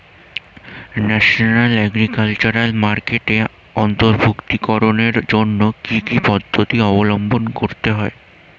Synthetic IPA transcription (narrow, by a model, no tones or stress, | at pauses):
nɛʃonalɛɡɾikalt͡ɕoɾalmaɾkeʈe | ɔnt̪oɾbʱukt̪ikɔɾoneɾd͡ʑonːokikipɔd̪ʱːot̪iɔbolombonkoɾt̪eɦɔe